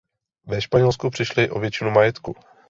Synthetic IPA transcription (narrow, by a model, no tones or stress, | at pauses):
vɛʃpaɲɛlskupr̥ɪʃlɪʔo̞vjɛt͡ʃɪnumajɛt̪ku